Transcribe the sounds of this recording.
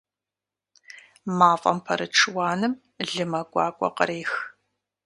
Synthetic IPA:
maːfʼɐmpʰɐ̰ɾɨʈ͡ʂʰɨwɑːnɨm | ɮɨmɐɡʷʼɑːkʷʼɔ̰qəɾeːx

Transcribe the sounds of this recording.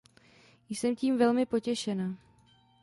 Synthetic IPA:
jsɛmciːmvɛlmɪpo̞cɛʃɛnaː

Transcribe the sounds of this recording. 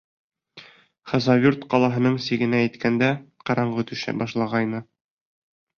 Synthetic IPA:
χɑzɑvʲurt̪qɒlˠɑɦɤ̆nɤɴsiɡɘ̆næːt̪kænd̪æqɑɾɑɴɢɤ̆t̪ʉɕɘ̰bɒʃlˠɑʁɑjnɤ

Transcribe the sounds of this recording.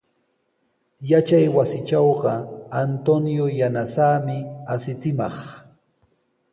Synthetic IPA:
jat͡ʃajwasɪt͡ʃɑwɢɑant̪onjojanasaːmɪasɪt͡sɪmɑχ

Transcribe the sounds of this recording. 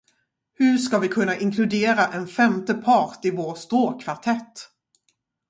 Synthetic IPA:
hɵʂkavɪkʰɵnːaʔɪŋkʰlɵd̪eːɾaʔɛnfɛmt̪əpʰɑːʈɪvoːst̪ɾoːkʰvaʈʰɛt̪ː

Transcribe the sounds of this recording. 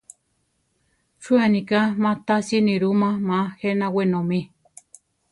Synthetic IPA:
t͡ʃuanĩkamãt̪asinĩɾumãmãhenãwenõmẽ

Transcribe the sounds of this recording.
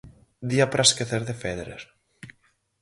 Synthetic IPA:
d̪iapɾʔaskeθeɾðefeðɾḛɾ

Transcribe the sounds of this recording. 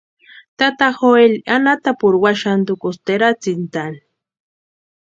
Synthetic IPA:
t̪at̪axoelanat̪apʊɾwaʃand̪ukost̪eɾat͡sint̪ani

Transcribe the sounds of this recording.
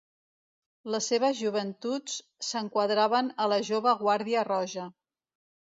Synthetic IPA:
ləsːeβ̞əzʒuβ̞ənt̪ut͡s | səŋkwəðɾaβənələʒoβəɣwaɾðiərɔʒə

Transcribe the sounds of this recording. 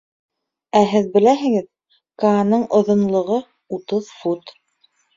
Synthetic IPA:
æɦɘðbɘ̆læɦɘ̆ɡɘð | kanɤɴʔŏðŏnlˠŏʁɤ | ut̪ɤðfut̪

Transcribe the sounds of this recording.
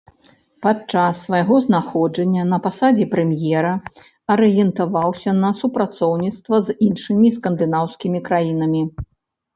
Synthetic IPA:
pat͡ʂasːvajaɣɔznaxɔd͡ʐɐnʲːɐnɐpasad͡zʲɛpɾɛmjɛɾɐ | ɐɾɨjɛnt̪avawsʲɐnɐsupɾat̪sɔwnʲit̪st̪vɐzinʂɨmʲiskɐnd̪ɨnawskʲimʲikɾajinɐmʲi

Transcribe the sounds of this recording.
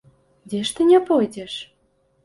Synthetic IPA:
d̪ʲeʃt̪ɘ̆nʲɑpojd̪ʲeʃ

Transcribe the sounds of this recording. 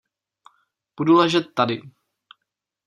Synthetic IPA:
b̥udulɛʒɛt̪ːadɪ

